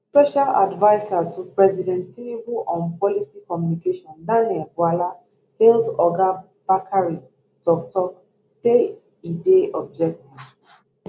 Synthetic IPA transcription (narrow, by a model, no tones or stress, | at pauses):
spɛʃala̰dvaɪsatupɹɛzidɛ̃ntinibuʔɔ̃npɔlisikɔmjunikeʃɔ̃ndãnɛlɡwala | helsɔɡa | b̥akʰaɹi | tɔktɔk | se | ideɔb̚d͡ʒɛk̚tiv̥